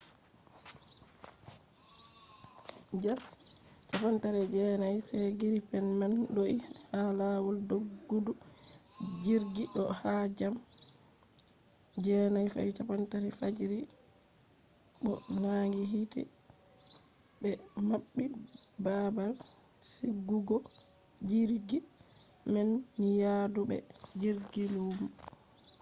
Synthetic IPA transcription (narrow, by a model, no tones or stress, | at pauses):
d͡ʒast͡ʃapantaɾɛd͡ʒɛnajsɛɡiɾipɛnmanɗoʔihalawɔldoɡːudu | d͡ʒiɾɡiɗɔhad͡ʒam | d͡ʒɛnajfa̰jt͡ʃapantaɾɛfad͡ʒiɾi | ɓɔ̰naŋɡiɦitɛ̰ | bɛmaɓːibabal | seɡːuɡɔ | d͡ʒiɾɡi | mɛnːijadubɛ̰d͡ʒiɾɡiluːm